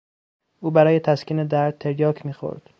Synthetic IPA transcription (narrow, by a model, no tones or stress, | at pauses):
ʔuːbæɾɒːjet̪ʰæskiːned̪æɾd̪̚t̪ʰːeɾjɒːkʰmiːxo̰ɾd̪̥